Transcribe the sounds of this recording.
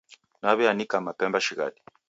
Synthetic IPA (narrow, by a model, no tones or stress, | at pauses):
naβianikamapɛmbaʃiɣa̰ɗi̥